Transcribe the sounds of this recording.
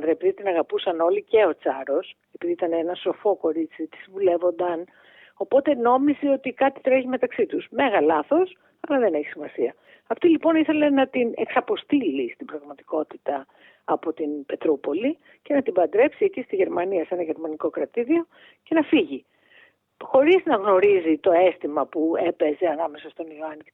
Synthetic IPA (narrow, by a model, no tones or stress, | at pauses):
ðɾɐepiðit̪inɐɣɐpusɐno̞lice̞o̞t͡sɐɾo̞s | e̞piðiit̪ɐnenɐso̞fo̞ko̞ɾit͡sit̪i̥sivule̞vo̞nd̪ɐn | o̞po̞t̪e̞no̞mizio̞t̪ikɐt̪it̪ɾeçime̞t̪ɐksit̪usme̞ɣɐlɐθo̞s | ɐlɐðe̞neçi̥simɐsiɐ | ɐft̪ilipo̞niθe̞le̞nɐt̪inḛksɐpo̞st̪ilist̪ibɾɐɣmɐt̪i̥ko̞t̪it̪ɐː | po̞t̪inbe̞t̪ɾupo̞li | ce̞nɐt̪ibɐnd̪ɾe̞psiecist̪iʝe̞ɾmɐniɐse̞nɐʝe̞ɾmɐniko̞kɾɐt̪iɾio̞ | ce̞nɐfiʝi | xo̞ɾiznɐɣno̞ɾizit̪o̞e̞st̪imɐpue̞pe̞ze̞ɐnɐme̞sɐst̪o̞nioɐn